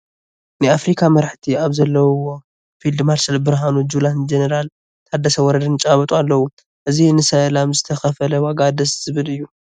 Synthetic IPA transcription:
nɨafɾikʰamɐɾaħt̪ʰiaβzɐlːɐwwo | fild̪malsɐlbɨɾɦanud͡ʒuland͡ʒenɐɾal | t̪ʰad̪ːɐsɐwɔɾɐd̪ɐnt͡ʃʼaβɐt̪ʼualːɐwu | ʔɨzinɨsɐlamzɨt̪ʰɐxɐfɐlɐwaɡad̪ɐsz̥ɨβɨlɨjːu

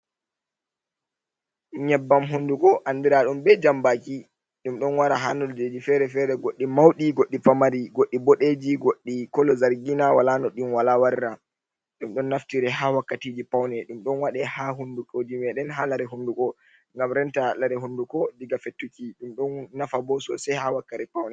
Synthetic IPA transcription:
ɲɛbːamɦundukɔʔandiɾaɗumbɛd͡ʒambaki | ɗumɗɔnwaɾaɦanɔld͡ʒed͡ʒifɛɾɛfɛɾɛɡoɗːimawɗiɡoɗːipamaɾiɡoɗːiboɗed͡ʒiɡoɗːikɔlɔzaɾɡinawalanɔɗunwalawaɾiɾa | ɗumɗɔnːaftiɾɛɦawakːatiːd͡ʒipawnɛɗumɗɔnwaɗɛhaɦundukod͡ʒimɛɗɛnɦalaɾɛɦundukɔ | ŋɡamɾɛntalaɾɛɦundukɔdiɡafetːukiɗumɗɔnːafabɔsɔ̰sajhawakːaɾɛpawnɛ

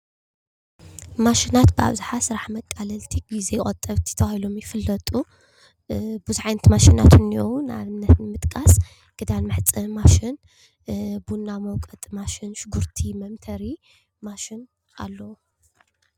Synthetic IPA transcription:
maʃinat̪bɨa̰βzaħasɨɾaħmɐkʼːalɐlt̪ʰiɡizejχʼɐt̪ʼːɐβt̪ʰi̥t̪ʰɐwahilo̞mjɪfɨlːɐt̪ʼu | buzʕajnɐt̪maʃina̰t̪ʰɨniowuna̰βɨnːɐt̪nɨmɨt̪ʼkʼas | ɡ̥ɨd̪anmɨħt͡sʼɐmaʃɪn | bunːamɐwkʼɐt̪ʼmaʃɪnʃʊɡuɾt̪ʰimɐmt̪ʰɐɾi | maʃɪn | ʔa̰lːɐwu

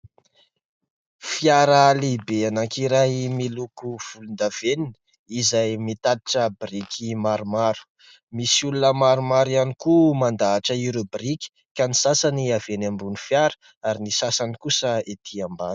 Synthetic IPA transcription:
fjaɾalibeanaŋkiɾajmilukuv̥ulund̪av̥enini̥ | izajmit̪ad̪i̥ʈ͡ʂəbrikʰimaɾumaɾu̥ | misiulunəmaɾumaɾianikumand̪aːʈ͡ʂəiɾubriki̥ | kanisasaniav̥enambunifjaɾə | aɾinisasanikusəet̪ʰiambanə̥

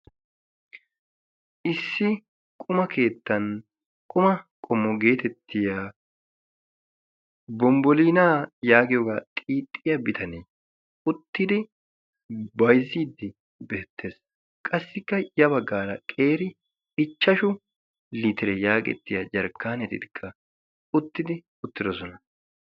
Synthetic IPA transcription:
ʔɪsːɪ | kʼʊmɐke̞ːt̪ːɐn | kʼʊmɐkʼɔmːɔɡe̞ːt̪ɛt̪ʰːɪja | bɔmbɔliːnaːjaːɡɪjɔːɡaːt̪ʼiːt̪ʼːɪjɐbɪt̪ʰɐneː | ʊt̪ːɪd̪ɪ | bɐjziːd̪ːɪ | beːt̪ʰːe̞ːs | kʼɐsːɪkːɐjɐbɐɡːaːɾɐkʼe̞ːɾɪ | ɪt͡ʃːɐʃʊ | lɪt̪ɪɾɛjaːɡʼɛ̰t̪ːɪjɐd͡ʒɐɾkʰːaːnɛt̪ɪ̰t̪ɪkʰːɐ | ʊt̪ːɪd̪ɪ | ʊt̪ːɪd̪ɔsɔnɐ

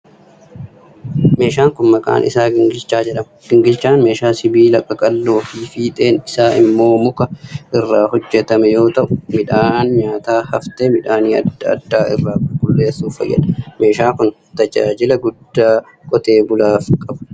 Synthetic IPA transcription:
me̞ːʃaːŋkʊnmɐkʼa̰ːnʔɪ̰saːɡɪŋɡɪlt͡ʃːaːd͡ʒɛᶑɐmɐɡ̥ɪŋɡɪlt͡ʃːaːnme̞ːʃaːsɪbiːlɐkʼɐkʼɐlːo̞ːfiːfiːt̪ʼe̞ːnɪsaːɪmːo̞ːmʊkɐʔɪrːaːhɔd͡ʒːɛt̪ɐmɛjo̞ːt̪ɐʔʊmɪᶑaːnɲaːt̪aːhɐft̪eːmɪᶑaːniːɐdɐ̰d̪ːaːɪ̰rːaːɡʊɡʊlːe̞ːsːuːfɐ̰jːɐ̰ᶑɐme̞ːʃaːkʊn | t̪ɐd͡ʒa̰ːd͡ʒɪlɐɡʊd̪ːaː | kʼɔt̪eːbʊlaːfkʼɐbɐ̥

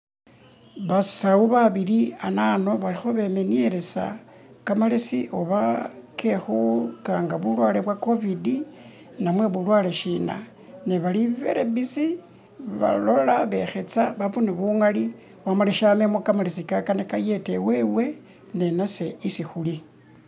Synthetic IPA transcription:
βasauβaβilianano̞βalixo̞βe̞menieɾe̞sa̰ | kamalisiʔoβakʰexukaŋɡaβulwaːleβwako̞vidi | namwe̞βulwaːleʃina̰ | neβaliβḛɾeβit͡si | βa̰lo̞laβe̞xe̞t͡saβaβuneβuŋali | wamaleʃamemokamalisikakanekaje̞tewe̞we̞ | ne̞nase̞isixuli

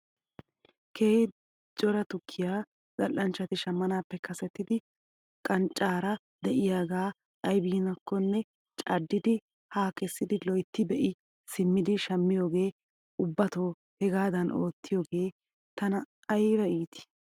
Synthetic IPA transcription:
kʰeː | t͡ʃʼɔɾɐt̪ʊkʰːɪjaː | t͡sʼɐlːɐnt͡ʃːɐt̪ɪʃɐmːɐnaːpːɛkɐsɛt̪ːɪd̪ɪ | kʼɐnt͡ʃʼːaːɾɐ | d̪ɛʔɪjaːɡaː | ʔɐjbiːnɐkʰːɔnːɛ | t͡ʃʼɐd̪ːɪd̪ɪ | haːkɛsːɪd̪ɪlɔjt̪ːɪbɛʔɪ | sɪmːɪd̪ɪʃɐmːɪjo̞ːɡe̞ː | ʊbːɐt̪o̞ː | hɛɡaːd̪ɐnʔo̰ːt̪ːɪjoːɡe̞ː | t̪ɐnɐː | jɾɐiːt̪ɪ̥

